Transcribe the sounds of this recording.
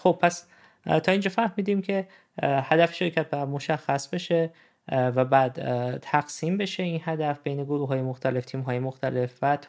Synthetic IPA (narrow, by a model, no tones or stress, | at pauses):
xob̚pʰæs | t̪ʰɒːind͡ʒɒːfæɾhmiːd̪iːmcʰe̞ | hæd̪æfe̥ʃeɾcʰæt̪̚bæmo̞ʃæxːæsbe̞ʃe̞ | væbæːd̪̥t̪ʰæɡsiːmbe̞ʃe̞inɦæd̪æfbejne̞ɡoɾuːɦɒːjemoxt̪ʰæle̞ft̪ʰiːmɦɒːjemoxt̪ʰæle̞fvæt̪ʰ